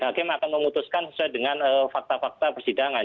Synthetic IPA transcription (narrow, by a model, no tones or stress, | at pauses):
ɦakɪmakanməmut̪uskansə̥suajdəŋanəːfak̚t̪afak̚t̪apərsidaŋa